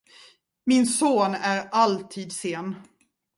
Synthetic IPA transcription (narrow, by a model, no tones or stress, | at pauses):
mɪnsoːnæɾalt̪ʰiːd̪seːn